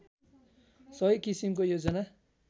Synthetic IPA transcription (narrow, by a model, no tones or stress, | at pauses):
sʌɦʌjkisimkojod͡zʌna